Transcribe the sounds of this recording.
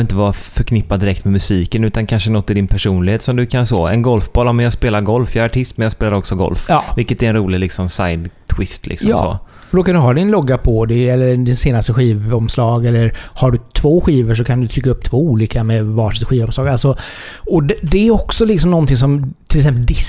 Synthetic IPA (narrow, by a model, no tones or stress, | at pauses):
ɪnt̪əvɑfœɾkʰnɪpːad̪ɪɾɛk̚t̪mɛmɵsiːkənʉ̟ːt̪ankʰanʂənɔt̪ːɪd̪ɪnpʰæʂuːnlɪɡheːt̪sɔmd̪ɵkʰansɔ̰ːɛ̰nɡɔlfbɑːlaːmɛnjaːɡspeːlaɾɡɔlfjaaʈʰɪst̪mɛnjaɡspeːlaɾɔksɔɡɔ̰lfɑːvɪlkət̪ɛɾɛnɾuːlɪlɪksɔmsa̰jd̪t̪ʰwɪst̪lɪ̰ksɔjm̰sːɔ̰ː | d̪ɔkand̪ɵɦɑːd̪ɪnlɔɡːapʰɔd̪ɛɛlːəɾd̪ɪnseːnast̪əɧiːvɔmslɑːɡɛlːəɾhaɖɵt̪ʰvoːɧiːvəʂ̬ɔkʰand̪ɵt̪ʰɾʏkːaɵp̚ːt̪ʰv̥oːuːliːkamɛvaʂɪt̪ɧiːvɔmslɑːɡalsɔɔd̪ɛd̪ɛæɾɔksɔlɪksɔmnɔnt̪ʰɪŋs̬ɔmt̪ʰɪlɛks̬ɛmpəld̪ɪ